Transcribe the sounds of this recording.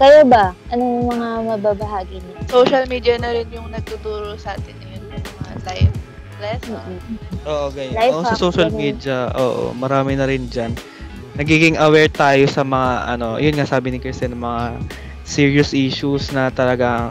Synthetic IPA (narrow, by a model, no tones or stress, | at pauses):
kɐjobɐʔɐnomɐŋamɐbabɐɦaːɡinɐsowʃɐlmiːd̪iɐnɐɾɪnjʊŋnɐɡ̚t̪ʊt̪uːɾosɐʔaːt̪ɪnɪnmɐa̰lajv | plɛsnonʔoːʔoɡɐjoajʔosɐsoʃɐlmid̪ɐʔoːʔo̰mɐɾaːmɪnɐɾɪnd͡ʒɐnː | ɐɡiːɡɪŋɐwɛɹt̪aːjo̞sɐmɐŋaʔɐ̰no̞jʊnŋasaːbɪnɪkɛsɛnɐmɐŋa | siːɹiosʔiːʃusnɐt̪ɐlɐɡa